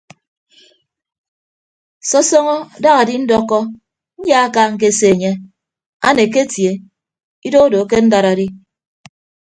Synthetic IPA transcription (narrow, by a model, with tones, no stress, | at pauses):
sɔ˦sɔ˦ŋɔ˦˨da˦ɣa˨di˦n̩˦dɔ˦kːɔ˦ | n̩˦ja˦a˦ka˦ŋ̩˦k̬e˦se˨ɲe˦ | a˦ne˨k̬e˦tje˨ | i˦do˦do˨˦ke˦n̩˦da˨ɾa˨di˦